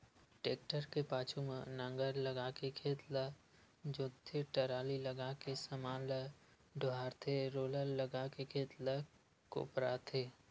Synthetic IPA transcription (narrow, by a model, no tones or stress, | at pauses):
ʈeːk̚ʈəɾkepaːt͡ʃʰumenə̃ŋɡəɾləɡakekʰeːt̪la | d͡ʒot̪ʰːeʈəɾaːliləɡakesəmaːl | ɖʱʊaːɾt̪ʰeɾoːləlːəɡakekʰeːt̪la | ko̰ːpɾat̪ʰeː